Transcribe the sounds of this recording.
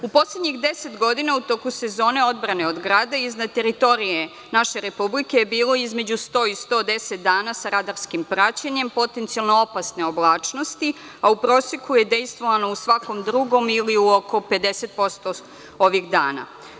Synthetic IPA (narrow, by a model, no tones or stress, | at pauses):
upo̞sled̪ɲixd̪ese̞t̪ɡo̞d̪inaut̪okuse̞zo̞ːne̞o̞d̪bɾane̞od̪ɡɾaːd̪aiznad̪̚t̪e̞ɾit̪o̞ɾije | naʃe̞ɾe̞publike̞jebiːlo̞izme̞d͡ʑust̪o̞ːist̪o̞ːd̪eset̪̚d̪aːnasaɾad̪aɾskimpɾat͡ɕaɲe̞mpo̞t̪e̞nt̪sialˠno̞opasne̞o̞blˠaːt͡ʂno̞st̪i | aupɾo̞ːsekuje̞d̪e̞jst̪ʋo̞ʋano̞usʋako̞md̪ɾuɡo̞miliuoko̞pe̞d̪ese̞t̪̚po̞st̪o | oʋiɣd̪a̰ːna̰